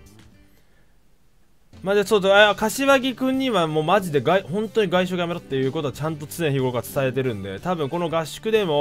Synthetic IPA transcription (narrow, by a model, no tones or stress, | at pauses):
mad͡ʑasoːsoekaɕiβaɡʲikɯ̟̃ɲ̟ːiβamo̞ːmaʑid̪e̞ɡaihõ̞nt̪o̞ɲ̟iɡaiɕo̞ɡajameɾot̪ːe̞jɯ̟ːko̞t̪o̞at͡ɕãnt̪o̞t͡sɨnẽ̞çiɡoɡat͡sɨ̥t̪aet̪e̞ɾɯ̟̃nd̪e̞t̪abɯ̟̃ŋko̞no̞ɡaɕːɨ̥kɯ̟d̪e̞mo̞